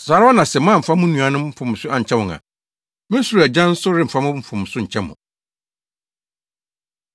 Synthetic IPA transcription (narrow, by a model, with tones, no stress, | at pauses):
saː˨˦ɾa˦ɔ˦nã˨sɛ˨mãː˦˨m̩˨fa˦mʊ̃˦nũ˨a˨nʊ̃˦mm̩˦fʊ̃˨m˨sʊ˦a˦ɲ̩˨t͡ɕʰɛ˦wʊ̃˨ŋã̰˨ | mɪ̃˦su˨ɾæ˨d͡ʑã˦n̩˦sʊ˦ɾɪ˦m̩˨fa˦mʊ̃˦m̩˦fʊ̃˨m˨sʊ˦ɲ̩˨t͡ɕʰɛ˦mʊ̰̃˨